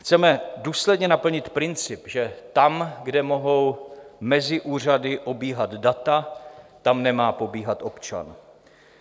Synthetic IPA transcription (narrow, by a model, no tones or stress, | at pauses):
xt͡sɛmɛduːslɛdɲɛnapl̩ɲɪt̪pɾɪnt͡sɪpʒɛt̪amɡdɛmo̞ɦo̞wmɛzɪʔuːr̝adɪʔo̞biːɦad̪dat̪at̪amnɛmaːpo̞biːɦat̪ʔo̞pt͡ʃa̰n